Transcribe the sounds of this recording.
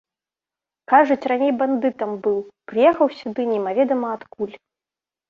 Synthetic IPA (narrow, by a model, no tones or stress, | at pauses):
kaʐut͡sʲranʲejband̪ɨt̪ɐmbɨwpɾɨjɛxɐwsʲud̪ɨnʲɛmavʲɛd̪ɐmɐːt̪kulʲ